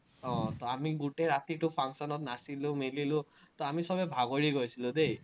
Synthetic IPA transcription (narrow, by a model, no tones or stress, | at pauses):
ɔ̃t̪ɔamiɡuteɹat̪iʈʊpʰaŋksɔnɔt̚nasilʊ̃melilʊ̃t̪ɔamisɔbɛbʱaɡoɹiɡojsilʊ̃dej